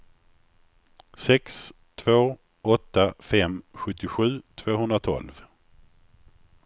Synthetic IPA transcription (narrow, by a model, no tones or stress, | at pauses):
sɛks | t̪ʰvoː | ɔt̪ːafɛmɧɵt̪ːɪɧʉ̟ːt̪ʰvoːɦɵnɾat̪ʰɔ̰lv